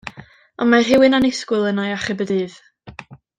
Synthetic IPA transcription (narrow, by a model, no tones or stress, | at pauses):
ɔnmarɦɪwɪnanɪskwʊlˠənajaχɪbədɨːð